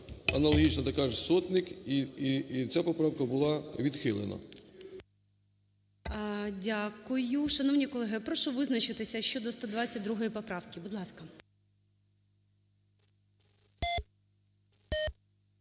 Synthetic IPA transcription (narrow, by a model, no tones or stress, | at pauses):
ɐnɐlˠɔɦʲit͡ʃnɐt̪ɐkaʒsɔt̪nʲɪkiit͡sʲapɔpɾɑwkɐbʊlˠɑʋʲid̪xɪlˠḛnɐ̰ | dʲakʊjʊʃɐnɔwnʲikɔlˠɛɦɪpɾɔʃʊʋɪznɐt͡ʃɪt̪ɪsʲɐʃt͡ʃɔd̪ɔst̪ɔd̪ʋɑt͡sʲɐt̚ʲd̪ɾuɦɔjipɔpɾɑwkʲɪbud̪lˠɑskɐ